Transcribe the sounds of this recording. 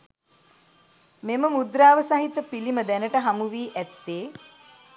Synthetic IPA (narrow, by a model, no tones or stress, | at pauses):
meməmud̪ɾaːʋəsaɦit̪əpiliməd̪ænəʈəɦamuʋiːʔæt̪ːeː